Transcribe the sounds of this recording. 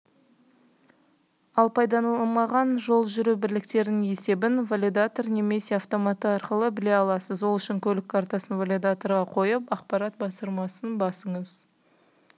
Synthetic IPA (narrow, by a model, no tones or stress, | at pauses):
ɑlˠpʰɑjd̪ɑnɑlˠmɑʁɑnʒo̞lˠʒʏɾubɪɾlɪk̚t̪e̞ɾd̪ɪŋe̞se̞bɪnvalʲid̪at̪o̞rne̞me̞se̞aft̪o̞mat̪ːəɑɾqəlˠəbɪle̞ɑlˠɑsəzwo̞lˠʏʃɪŋkʲʰɵlɪkʰːaɾt̪asənvalʲid̪at̪o̞ɾʁɑqʰo̞jəpɑqpɑɾɑt̪̚bɑsəɾmɑsənbɑsəɴəz